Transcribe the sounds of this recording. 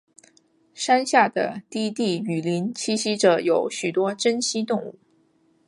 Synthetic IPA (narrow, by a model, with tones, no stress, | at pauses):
ʂa˥nɕja˥˩d̪ə̰˩t̪i˥˧t̪i˥˩y˨˩li˧˥nt͡ɕʰi˥ɕi˥ʈ͡ʂɤ˨˩˦jo˨˧˥ʊɕy˨˩t̪wɔ˥ʈ͡ʂə˥nɕi˥t̪ʊ˥˧ŋu˥˩